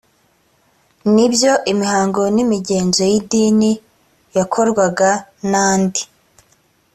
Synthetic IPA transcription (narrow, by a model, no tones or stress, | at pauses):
nibjo̞ʔimihaːŋɡonimiɟe̞ːnzejidiːni | jakʰo̞ɾɡwaɡanaːndi